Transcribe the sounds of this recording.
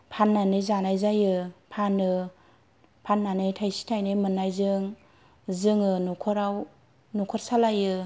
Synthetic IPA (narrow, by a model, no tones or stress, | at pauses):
pʰanːanɯjzanajzajɯpʰanɯ | pʰanːanɯjtʰajsi̥tʰajnɯjmɯnːajzɯŋ | zɯŋɯnukʰɔɾaw | nukʰɔɾsalajɯ